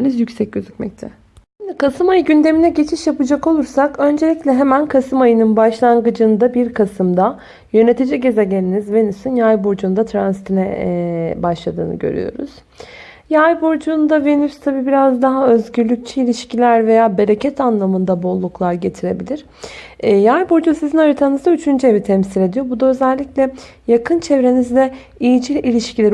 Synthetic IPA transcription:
nizjycsɛc̚ɟøzycmɛ̰c̚t̪ʰɛ | ind̪ɛkʰasɯmajɯɟynd̪e̞minɛɟe̞t͡ʃʰiʃjapɯd͡ʒako̞lˠuɾsakø̞nd͡ʒe̞lʲiclʲɛɦemænkʰasɯmajɯnɯnbaʃlˠaŋɡɯd͡ʒɯnd̪abiɾkʰasɯmd̪a | jø̞ne̞t̪ʰid͡ʒɛɟe̞zeɟelʲinizve̞nysynjajbuɾd͡ʒuːnd̪at̪ʰɾansit̪ʰinɛ | baʃlˠad̪ɯ̰ːnɯ̰ɟø̰ɾy̰jo̞̰ɾṵz̥ | jajbuɾd͡ʒund̪ave̞nyst̪ʰabiːbiɾazd̪aɦaø̞zɟyɾlʲyc̚t͡ʃʰɛilʲiʃcilʲæɾve̞jaːbe̞ɾe̞cʰɛt̪ʰanlˠamɯnd̪abolˠːuklˠaɾɟe̞t̪ʰiɾe̞bilʲiɾ̥ | jajbuɾd͡ʒusizinaɾɯt̪ʰanɯzd̪ayt͡ʃʰynd͡ʒye̞vit̪ʰɛmsiɾʲe̞d̪ijo̞bud̪aø̞zɛlʲːiclʲɛ | jakʰɯnt͡ʃʰevɾe̞nizd̪ɛ | ijid͡ʒilʲilʲiʃcʰilʲeɾ

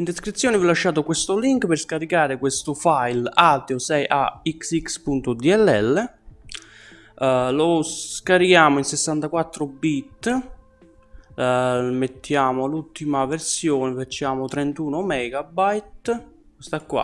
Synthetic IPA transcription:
ind̪eskɾit̪sːjoːnivilaʃːaːt̪okwest̪ʊliŋkperskaɾikaːɾekwest̪ʊfajlad̪eosɛjʔa̰iksikspunt̪ʊd̪iɛlːɛlːe | losskaɾikjaːmoinsesːant̪akwat̪ːɾobit̪ː | met̪ːjaːmolult̪ːimaveɾsjoːnefat͡ʃːaːmot̪ɾent̪uːnomɛːɡabajt̪ | kost̪akːwa̰

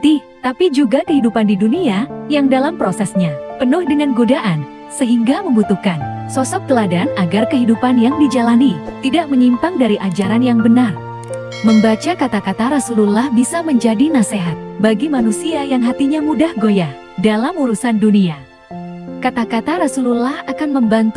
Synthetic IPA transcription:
t̪i | t̪apid͡ʒuɡakəɦidupandiduniajaŋdalampɾosɛsɲapənʊhdəŋanɡodaʔan | səɦiŋɡaməmbut̪uhkansɔsɔk̚k̪əladanaɡarkəɦidupanjaŋdid͡ʒalanit̪idaʔ̚məɲimpaŋdaɾiʔad͡ʒaɾanjaŋbənar | məmbat͡ʃakat̪akat̪aɾasululahbisaməɲd͡ʒadinaseɦat̪̚baɡimanusiajaŋɦat̪iɲamudahɡoja | dalamuɾusandunia | kat̪akat̪aɾasululahakanməmbant̪

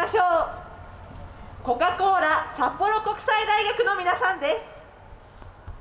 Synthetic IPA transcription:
aɕoː | ko̞kako̞ːɾasapːo̞ɾo̞ko̞kɯ̟̥said̪aiɡakɯ̟no̞mʲinasãnd̪e̞sɨ̥

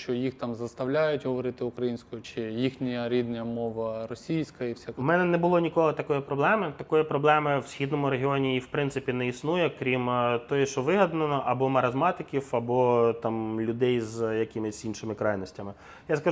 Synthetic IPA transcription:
ʃt͡ʃɔjixt̪ɑmzɐst̪ɐwlʲajʊtʲɦɔʋɔɾɪt̪ɪʊkɾɐjinʲsʲkʊjʊt͡ʃɪjixnʲijɐɾʲid̪nɐjɐmɔʋɐrɔsʲijsʲkɐiwsʲamɛnɛnɛbʊlˠɔnʲikɔlˠɪt̪ɐkɔjipɾɔblˠɛmɪt̪ɐkɔjipɾɔblˠɛmɪwsʲxʲid̪nɔmʊɾeɦʲiɔnʲijiwpɾɪnsɪpʲinɛisnujɛkɾʲimt̪ɔjɛʃt͡ʃɔʋɪɦɐd̪nɐnɔʔɐbɔmɐɾɐzmɑt̪ɪkʲiwɐbɔt̪ɑmlʲʊd̪ɛjzjɐkɪmɪsʲinʃɪmɪkɾɑjnɔsʲtʲɐmɪ | jaskɐ

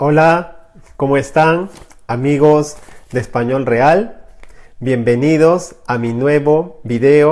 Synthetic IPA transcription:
olako̞moest̪aŋ | amiɣozd̪espaɲo̞lreal | bje̞mbe̞niðosaminwe̞βoβiðeo

